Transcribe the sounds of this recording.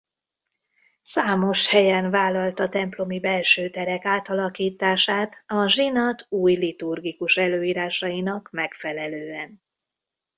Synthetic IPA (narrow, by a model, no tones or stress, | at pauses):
saːmo̞ʃhɛjɛnvaːlɒlt̪ɒt̪ɛmplo̞mibɛlʃøːt̪ɛɾɛkaːt̪ɒlɒkiːt̪aːʃaːt̪ɒʒinɒt̪uːjlit̪urɡikuʃɛløːiːɾaːʃɒjinɒkmɛkfɛlɛløːɛn